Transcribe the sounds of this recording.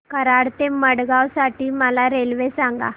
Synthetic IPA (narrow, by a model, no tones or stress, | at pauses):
kəɾaɽt̪eməɽɡawsaʈiːməlaɾelʋesaŋɡa̰